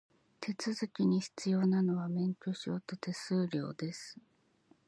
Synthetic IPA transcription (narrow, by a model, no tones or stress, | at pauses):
t̪ʰe̞t͡sɨzɨkʲiɲ̟içi̥t͡sɨjo̞ːnano̞βamẽ̞ŋkʲo̞ɕot̪ot̪e̞sɨːɾʲo̞̰ːd̪e̞sɨ̥